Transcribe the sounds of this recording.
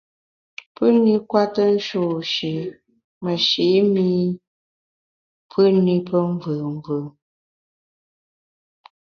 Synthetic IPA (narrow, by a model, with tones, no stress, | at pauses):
pə˦ni˦kwa˦tə˦n̩˦ʃo˨ʃe˨ | mə˨ʃe˨˦mi˦ | pʰɨ˦ni˦pə˦ɱ˦vɨ˨ɱ˦vɨ˨